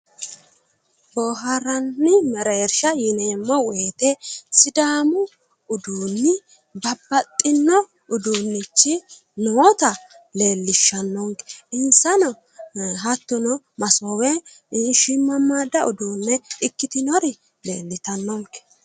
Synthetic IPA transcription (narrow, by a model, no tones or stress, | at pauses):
boɦɐɾɐnːɪmɛɾɐɛɾʃɐjɪneːmːɔweːt̪ɛsɪd̪aːmʊ | ʊd̪uːnːɪ | bɐbːɐt̪ʼːɪnːɔ | ʊd̪uːnːɪt͡ʃːɪ | nɔt̪ɐ | le̞ːlːɪʃːɐnːɔŋkɛ̥ɪnsɐnɔ | ɦɐt̪ːʊnɔ | mɐsowɛ | ɪnʃɪmːɐmad̪ɐʊd̪uːnːɛɪkːɪt̪ɪnɔɾɪ | le̞ːlːɪt̪ɐnːɔŋkɛ̥